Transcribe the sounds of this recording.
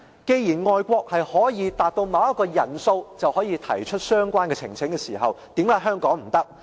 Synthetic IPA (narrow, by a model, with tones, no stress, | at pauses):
ke˧jjiː˨˩nŋɔː˨jkʷɔː˧k̚hɐ˨jhɔː˨˥jiː˨˧t̪aː˨t̚t̪o˧wmaː˨˧wɐ˥t̚kːɔː˧jɐ˨˩nso˧wt͡sɐ˨whɔː˨˥jiː˧t̪ʰɐ̰˨˩jt͡ʃʰɵ˥t̚sœː˥ŋkʷaː˥nkɛ˧t͡sʰɪ˨˩ŋt͡sʰɪ˨˥ŋkɛː˧siː˨˩ɦɐ˨wt̪i˨˥mkaː˨˥jɦœː˥ŋkɔː˨˥ŋm̩˨˩t̪ɐ˥k̚